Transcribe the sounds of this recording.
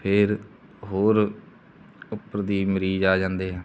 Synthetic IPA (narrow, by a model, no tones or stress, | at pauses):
pʰeɾ | ɦoːɾ | ʊpːəɾd̪iːməɾiːd͡ʒaːd͡ʒãːnd̪eːɦɛ̃ː